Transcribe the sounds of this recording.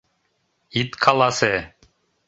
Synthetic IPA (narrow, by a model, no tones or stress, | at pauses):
it̪kʰɑlˠɑsɘ